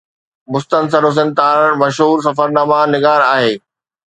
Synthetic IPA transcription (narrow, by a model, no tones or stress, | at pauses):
mʊst̪ənsəɾʊs̬ɪ̃nt̪aːɾmɐʃɦuːɾs̬ɐfəɾnaːmanɪɡaːɾaːɦeː